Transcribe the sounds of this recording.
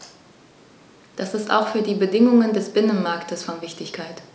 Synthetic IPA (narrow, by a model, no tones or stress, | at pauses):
d̥asɪsta̰ʊxfyːɐdiːbədɪŋʊŋəndɛsb̥ɪnənmaɐktʰəsfɔnvɪçtɪçkʰaɪt